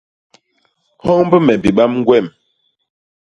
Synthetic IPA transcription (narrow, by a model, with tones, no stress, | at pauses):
hɔ˦ŋbə˦mɛ˨bi˨ɓa˦mŋ˦ɡwɛ˦˨m